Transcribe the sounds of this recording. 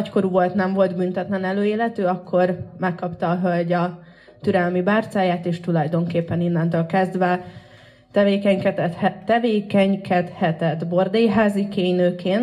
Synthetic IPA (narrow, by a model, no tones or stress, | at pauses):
ɒcko̞ɾuvo̞lt̪nɛɱvo̞lt̪bynt̪ɛt̪lɛnɛløːeːlɛt̪øːɒkʰːo̞rmɛkːɒpt̪ɒːɦølɟɒ | t̪yɾɛlmibaːrt̪saːjaːt̪eːʃt̪ulɒjd̪o̞ŋkeːpːɛninːɛnt̪øːlkɛzd̪ʋɛ | t̪ɛveːkɛɲkɛt̪t̪ːɛveːkɛɲkʰɛt̪hɛt̪ɛt̪bo̞rd̪ejɦaːzikeːɲnøːkeːn